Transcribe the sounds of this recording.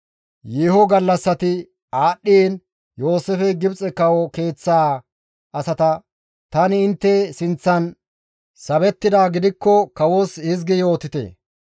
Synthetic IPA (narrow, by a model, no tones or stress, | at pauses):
jeːɦɔɡɐlːɐsːɐt̪ɪ | aːɗːiːn | jo̞ːsɛfɛɡɪbt͡sʼɛkɐwɔke̞ːt͡sːaː | ɐsɐt̪ɐ | t̪ɐnɪːnt̪ːɛsɪnt͡sːɐn | sɐbɛt̪ːɪd̪aːɡɪd̪ɪkːɔkɐwosɪzɡɛjo̞ːt̪ɪt̪ḛː